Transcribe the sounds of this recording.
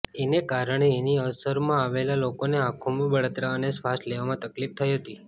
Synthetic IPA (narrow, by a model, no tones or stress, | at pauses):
enekaɾəɳeːniəsəɾmãaʋelalokoneãkʰomãbəɽat̪ɾaənesʋasʈleʋamãt̪əklip̚t̪ʰəjɦət̪i